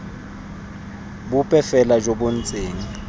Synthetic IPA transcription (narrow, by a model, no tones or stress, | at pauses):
bʊpʼɛfɛlad͡ʒobon̩t͡sʼeːŋa